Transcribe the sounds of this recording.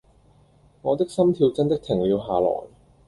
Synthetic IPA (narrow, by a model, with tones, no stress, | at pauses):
ŋɔː˨˧t̪ɪ˥k̚sɐ˥mt̪ʰiː˧wt͡sɐ˥nt̪ɪ˥k̚t̪ʰɪ˨˩ŋliː˨˧wɦaː˨˩lɔ̰ː˨˩n